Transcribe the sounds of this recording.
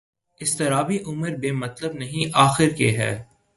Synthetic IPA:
ɪst̪ɪɾaːbiʔʊməɾbeːmɐt̪ləb̚nɐɦĩʔaːxɪɾkeɦɛ̰ː

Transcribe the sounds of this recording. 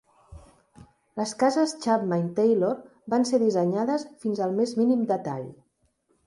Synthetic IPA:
ləskazəst͡ʃapmant̪ejloɾ | banseðizəɲaðəsfinzəlˠmezminimd̪ət̪a̰ʎ

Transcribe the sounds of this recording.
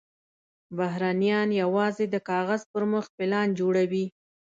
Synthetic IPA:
baɦɾanijɑnjawɑzed̪əkɑɣazpəɾmʊxpɪlɑnd͡ʒoɽawi

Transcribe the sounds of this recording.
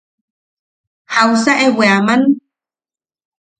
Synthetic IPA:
hawsaʔeweaman

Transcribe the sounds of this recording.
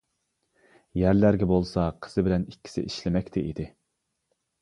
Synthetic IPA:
jæɾlæɾɡʲɛbolˠsɑqʰə̥z̥ɨbɪlɛnikʲʰːi̥sɪ̰ʔiʃlɪmɛkʲt̪ʰɪʔḭd̪ɪ

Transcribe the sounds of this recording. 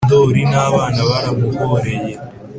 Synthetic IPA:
d̪oːɾinaːβaːnaβaɾamukoɾeje

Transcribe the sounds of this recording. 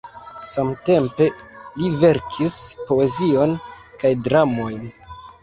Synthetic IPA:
samte̞mpe̞live̞ɾkʰispo̞e̞zio̞nkajdɾamo̞jn

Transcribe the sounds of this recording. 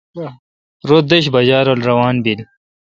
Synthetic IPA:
ɾod̪eɕ̬bɐd͡ʑaːɾolɾɐwaːnbil

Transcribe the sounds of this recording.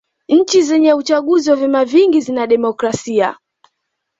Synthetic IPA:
ɲ̩t͡ʃizɛɲɛut͡ʃaɠuziwavɛmaviŋɡizinaɗɛmɔkɾasia̰

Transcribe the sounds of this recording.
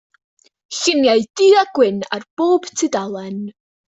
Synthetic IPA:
ɬənjaɨd̥iaɡ̥wɪna̰rb̥oːb̥tʰɪdalˠɛn

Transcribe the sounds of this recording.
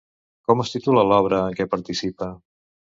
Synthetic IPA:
kɔməst̪it̪uləlɔβ̞ɾəːŋkɛpəɾt̪isipə

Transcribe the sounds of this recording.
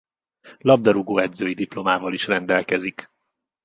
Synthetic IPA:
lɒb̚d̪ɒɾuɡoːɛd̪zøːjid̪iplo̞maːvɒliʃrɛnd̪ɛlkɛzik

